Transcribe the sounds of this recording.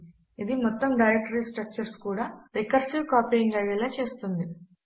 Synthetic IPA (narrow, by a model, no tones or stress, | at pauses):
id̪imɔt̪ːɐmɖɐjɾek̚ʈɐɾiːsʈɾɐk̚t͡ʃɐɾskuːɽaːɾikɐɾsiʋkaːpijiŋɡaːʋɛlat͡ʃe̞ːst̪und̪i